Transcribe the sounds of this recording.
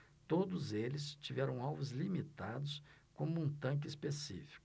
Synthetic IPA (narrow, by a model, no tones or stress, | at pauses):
t̪od̪ʊzelɪst͡ʃivɛɾɐ̃w̃awvʊzlimit̪ad̪ʊskõmʊũt̪ɐ̃k̬ɪispesifi̥kʊ